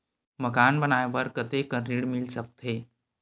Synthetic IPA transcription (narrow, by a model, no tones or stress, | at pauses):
məkanbənajʋəɾkət̪ekəɾiɽmilsək̚t̪ʰe